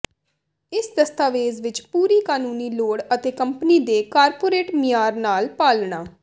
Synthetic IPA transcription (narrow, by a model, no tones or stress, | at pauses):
ɪsd̪əst̪aːʋeːzʋɪt͡ʃpuːɾiːkaːnuːniːloːɽət̪eːkəmpniːd̪eːkaːɾpoːɾeːʈmɪjaːɾnaːlpaːlɳaː